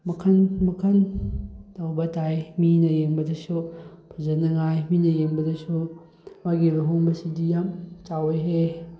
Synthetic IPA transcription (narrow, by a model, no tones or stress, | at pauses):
mɐkʰɐnmɐkʰɐn | tawbɐtʰajminɐjeŋbɐdɐsupʰɐzɐnɐŋajminɐjeŋbɐdɐsu | maɡibɐɦoŋbɐsidijamt͡ʃawejɦe